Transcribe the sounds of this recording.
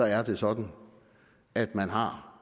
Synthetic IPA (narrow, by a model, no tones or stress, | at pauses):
ɒ̽æɐd̥e̝sɒ̽d̥n̩ | æd̥mænɦɑ̈